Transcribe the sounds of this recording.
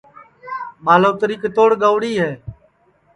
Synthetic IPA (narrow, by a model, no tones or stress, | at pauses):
maːloːt̪əɾiːkeːt̪oːɽɠəːʋɽiːɦɛː